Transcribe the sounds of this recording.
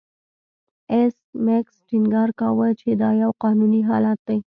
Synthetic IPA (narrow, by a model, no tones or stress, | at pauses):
es | meksʈɪŋɡɑɾkawət͡ʃed̪ɑjawqɑnuniɦɑ̰lat̪̚d̪aj